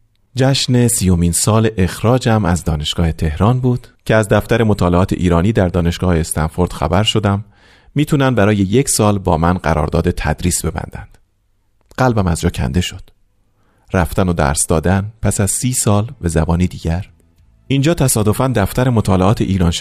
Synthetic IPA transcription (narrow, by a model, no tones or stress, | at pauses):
d͡ʒæʃne̞siːjo̞miːnsɒːleʔexɾɒːd͡ʒæmæzd̪ɒːne̞ʃɡ̥ɒːhe̞t̪ʰe̞hɾɒːnbuːd̪̥cʰe̞æzd̪æft̪æɾe̞mo̞t̪ʰɒːleɒːt̪ʰe̞̰ʔiːɾɒːniːd̪æɾd̪ɒːne̞ʃɡ̥ɒːheːst̪ænfo̞ɾd̪̥xæ̰bæɾʃo̞d̪æmː | iːt̪ʰunænd̪bæɾɒːje̞jecʰsɒːlbɒ̰ːmænɢæ̰ɾɒ̰ːɾd̪ɒːd̪e̞t̪ʰæ̰d̪ɾiːsbe̞bæ̰nd̪æ̰nd̪̥ | ɢ̥ælbæmæzd͡ʒɒːcʰæ̰nd̪eʃo̞d̪̥ | ɾæft̪æno̞d̪æ̰ːɾsd̪ɒ̰ːd̪ænpʰæsæz̥siːsɒːlvæzæbɒːniːd̪iːɟæɾ | ʔind͡ʒɒːt̪ʰæsɒːd̪o̞fænd̪æft̪æɾe̞mot̪ʰɒːle̞ʔɒːt̪ʰeʔiːɾɒːnʃ